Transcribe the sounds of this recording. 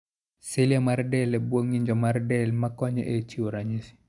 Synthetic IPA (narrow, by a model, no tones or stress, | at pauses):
silijamaɾdɛlɛbwoŋiɲd͡ʒɔmaɾdɛlmakɔɲɛ̰ʔet͡ʃioɾaɲisi̥